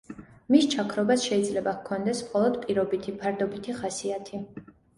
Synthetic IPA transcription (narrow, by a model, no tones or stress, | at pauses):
mist͡ʃʰakʰɾɔbasʃɛid̪zlɛbakʰɔnd̪ɛsmχɔlˠɔd̪pʼiɾɔbit̪ʰipʰaɾd̪ɔbit̪ʰiχasiat̪ʰi